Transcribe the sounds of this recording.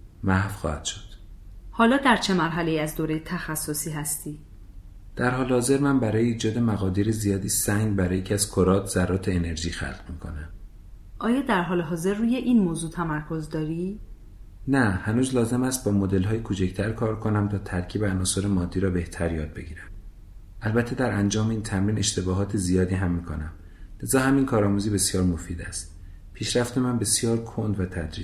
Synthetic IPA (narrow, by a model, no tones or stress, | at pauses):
mæhfxɒ̰ːhæd̪̥ʃo̥d̪̥hɒːlɒːd̪æɾt͡ʃʰe̞mæɾɦæle̞iːæzd̪oːɾejet̪ʰæxæsːosiːɦæst̪ʰiː | d̪̥æɾɦɒːlehɒːze̞ɾmænbæɾɒːjeiːd͡ʒɒːd̪e̞mæɣɒːd̪iɾezijɒːd̪iːsæŋɡbæɾɒːjecʰæzkʰoɾɒːt̪ʰz̥ærːɒːt̪ʰeːne̞ɾʒiːxæ̰lqmiːkʰo̞̰næm | ʔɒːjɒːd̪æɾɦɒːleɦɒːze̞ɾːuːje̞ʔinmoːzuːt̪ʰæmæɾkʰozd̪ɒːɾi | næhænuːzlɒːze̞mæst̪̚bɒːmod̪e̞lɦɒːjekʰot͡ʃʰect̪ʰæɾkʰɒːɾkʰo̞næmt̪ʰɒːt̪ʰæɾcʰiːbeænɒːsoɾemɒːd̪ːiːɾɒːbe̞ht̪ʰæɾjɒːd̪̚be̞ɡiːɾæm | ʔælbæt̪ʰːe̞d̪æɾʔænd͡ʒɒːmeiːnt̪ʰæmɾiːne̞ʃt̪e̞bɒːɦɒːt̪ʰezijɒːd̪iːɦæmːiːkʰonæm | le̞zɒːɦæminkʰɒːɾɒːmuːziːbe̞sijɒːɾmofiːd̪æst̪ | pʰiːʃɾæft̪emænbe̞sijɒːɾkʰond̪væt̪ʰæd̪ɾi